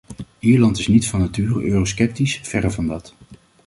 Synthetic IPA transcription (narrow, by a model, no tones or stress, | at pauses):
iːɹlɑntɪsnitfɑnatyːrəøːroskɛp̚tisfɛrəvɑndɑt